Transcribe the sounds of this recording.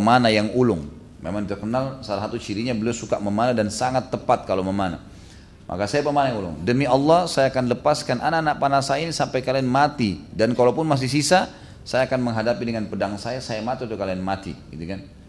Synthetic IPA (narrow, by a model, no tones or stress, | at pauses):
əmanajaŋulʊŋ | memaŋdit̪ərkənalsalaɦat̪ut͡ʃiɾiɲabəliawsukaʔməmanadansaŋat̪ːəpat̪̚kaloməmana̰ | mʔa̰kasajapəmanajaŋulʊ̰ŋdəmiɑlːɑhsajaːkanləpaskanʔanaanaʔpanasajainisampajkalianmat̪idankalowpʊnmas̬ɪhsisa | sajaːkanməŋɦadapidəŋanpədaŋsajasajamat̪it̪ukalianmat̪ḭɡit̪ukan